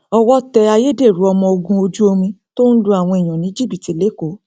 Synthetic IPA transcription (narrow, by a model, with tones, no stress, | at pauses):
ɔ˧wɔ˦tɛ˧a˧je˦de˦˨ɾu˨˦ɔ˧mɔ̃˧o˧ɡũ˧o˧d͡ʒu˦o˧mĩ˧to˦n̩˦dũ˦a˨w̃ɔ̃˧i˨j̃ɔ̃˨nĩ˨˦d͡ʒi˦˨bi˨ti˨˦le˦ko˨˦